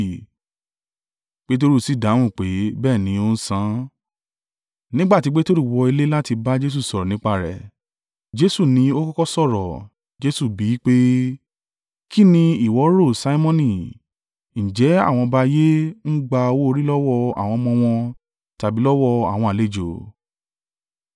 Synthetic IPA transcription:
k͡pe˦t̬o˦ɾi˦˨si˨˦˨dã˨˦ũ˦˨k͡pe˨˦bɛː˦˨nĩ˨˦o˦n̩˦sã˦ | nĩ˦ɡ͡ba˦˨ti˧k͡pe˦to˦ɾi˦˨wɔ˧i˧le˦la˦ti˧ba˦d͡ʒe˦s̬u˦˨sɔ˨ɾɔ˨nĩ˦k͡pa˧˨ɾɛ̰˨ | d͡ʒe˦su˦˨nĩ˧o˦kɔ˦kɔ˦sɔ˦˨ɾɔ̰˨ | d͡ʒe˦su˦˨bi˨˦k͡pe˦ | ki˦nĩ˧i˦˨wɔ˨˦ɾo˦˨sa˨˦i˦mɔ̃˦nĩ˨ | n̩˨d͡ʒɛ˨˦a̰˦˨w̃ɔ̃˧ba˦je˦n̩˦ɡ͡ba˧o˧wo˦o˧ɾi˦lɔ˦wɔ˦˧a̰˨w̃ɔ̃˧mɔ̃˧w̃ɔ̃˧ | ta˨bi˨˦lɔ˦wɔ˦˧a̰˨w̃ɔ̃˧a˨le˦˨d͡ʒo˨

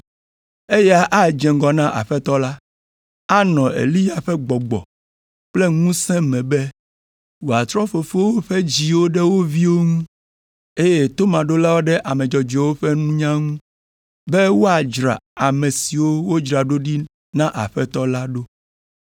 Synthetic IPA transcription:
e˦jɛ˦a˦ʔa˦d͡ʒɛ̃˨ŋɡɔ˨nã˦ʔa̰˨ɸɛ˦t̪ɔ˦la˦ | a˦nɔ̃˨ḛ˨li˦ja˨ɸɛ˦ɡ͡bɔ˨ɡ͡bɔ̰˨ | k͡ple˦ŋũ˦sɛ̃˦mɛ̃˨bɛ˦ | wo˨a˨t̪ɾɔ˦fo˨fo˦wo˦ɸɛ˦d͡ʑi˨wo˦ɖɛ˦wo˦vi˦wo˦ŋũ˦ | e˦jɛ˦t̪o˦mã˨ɖo˦la˦wo˦ɖɛ˦ʔa˨mɛ̃˨d͡ʒɔ˨d͡ʒɛ˨wo˦ɸɛ˦nũ˦ɲã˦ŋũ˦ | bɛ˦wo˦a˨d͡ʒɾa̰˨a˨mɛ̃˨si˨wo˦wo˦d͡ʒɾa˨ɖo˦ɖi˦ | nã˦ʔa̰˨ɸɛ˦t̪ɔ˦la˦ɖo˦

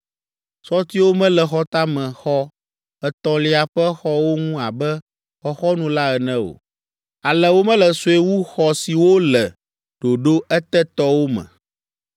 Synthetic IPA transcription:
sɔ˦t̪i˦wo˦mɛ̃˦lɛ˨xɔ˦t̪a˦mɛ̃˨xɔ˦ | ɛ˨t̪ɔ̃˨li˦a˨ɸɛ˦xɔ˦wo˦ŋũ˦a˨bɛ˦ | xɔ˦xɔ˦nũ˦la˦ɛ˨nɛ̃˦o̰˨ | a˨lɛ˨wo˦mɛ̃˦lɛ˨so˨e˦wu˦xɔ˦si˨wo˦lɛ˨ | ɖ̥o˨ɖo˦ɛ˦t̪ɛ˦t̪ɔ˦wo˦mɛ̰̃˨

